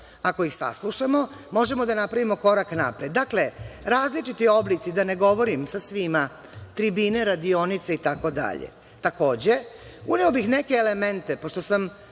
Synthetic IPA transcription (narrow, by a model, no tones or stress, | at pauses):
akoixsa̰slˠuʃamo | mo̞ʒemo̞d̪anapɾaʋimo̞ko̞ɾakna̰pɾed̪ːakle̞ɾaːzlit͡ʃit̪io̞blit̪sid̪aneɡo̞ʋo̞ɾimsasʋima | t̪ɾibine̞ɾad̪io̞nit̪seit̪ako̞d̪a̰ʎḛ | t̪ako̞ːd͡ʑe̞uneobixnekeːlement̪e̞po̞ʂt̪o̞sam